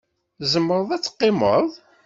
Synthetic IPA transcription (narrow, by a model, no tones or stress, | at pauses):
zəmːəɾəðˤæt͡sːə̥qːɪmə̰ðˤ